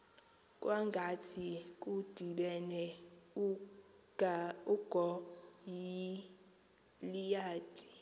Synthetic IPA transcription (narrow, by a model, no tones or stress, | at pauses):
kʼwaŋɡʱatʰik̬ʼud̥ʱiɓɛnɛ | uɡ̥ʱɔji | lijaːd̥ʱi̥